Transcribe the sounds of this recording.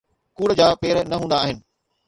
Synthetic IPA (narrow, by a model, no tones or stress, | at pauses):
kuːɽəd͡ʑaːpeːɾnɐɦũːnd̪aːɦɪnɪ̆